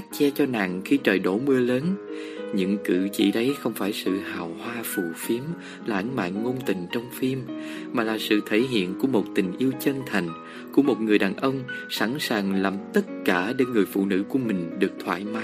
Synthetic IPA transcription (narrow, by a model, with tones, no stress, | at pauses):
k̚t͡ɕɛ˧t͡ɕɔ˧na̰ː˨˩ŋxi˧t͡ɕəː˨˩jɗo˧˩mɨ˧ələː˨˦n | ɲɨ̰˧˥ŋkɨ̰˧˩t͡ɕḭ˧˨ɗə˨˦jxə˧wŋ͡mfaː˧˩jsɨ̰˧˨haː˨˩whwaː˧fu˨˩fi˨˦əm | laː˨ʔnma̰ː˧˨nŋo˧nt̪ï˨˩ŋ̟t͡ɕə˧wŋ͡mfi˧mːaː˨˩laː˨˩sɨ̰˧˨t̪ʰe˧˩ɦḭ˧˨ənku˧˩əmo˨˩t̚t̪ï˨˩ŋ̟ʔi˧əwt͡ɕə˧nt̪ʰa˨˩jŋ̟ | ku˧˩əmo˨˩t̚ŋɨ˨˩əjɗaː˨˩nʔə˧wŋ͡msa˧˩nsaː˨˩ŋlaː˨˩mt̪ə˦˥t̚kaː˧˩ɗe˧nŋɨ˨˩əjfṵ˧˨nɨ̰˧˥ku˧˩əmï˨˩ŋ̟ɗɨ˨˩ək̚t̪ʰwa̰ː˧˨jma˨˦